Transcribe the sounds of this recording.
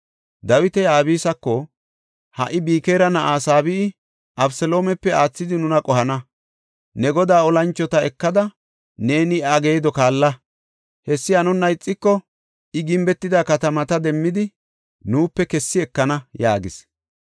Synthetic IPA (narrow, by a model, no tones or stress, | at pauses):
d̪ɐwɪt̪ɛjaːbiːsɐkːɔ | hɐ̰ʔɪbiːkeːɾɐnɐʔaːsaːbɪː | ʔɐbsɛlo̞ːmɛpːɛaːt͡sːɪd̪ɪnʊnɐkʼɔhɐnɐ | nɛɡɔd̪aːɔlɐnt͡ʃːɔt̪ɐɛkːɐd̪ɐ | ne̞ːnɪaɡe̞ːd̪ɔkaːlːɐ | hɛsːɪɐnɔnːɐɪt͡sʼːɪkːɔ | ɪɡɪmbɛt̪ːɪd̪aːkɐt̪ɐmɐt̪ɐd̪ɛmːɪd̪ɪ | nuːpːɛkɛsːɪɛkːɐnɐjaːɡɪs